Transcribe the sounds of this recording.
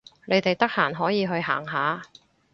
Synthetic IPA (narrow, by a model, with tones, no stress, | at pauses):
ne˨˧jt̪e˨jt̪ɐ˥k̚haː˨˩nɦɔː˨˥jiː˨˧ɦɵ˧ɥɦa̰ː˨˩ŋɦaː˨˧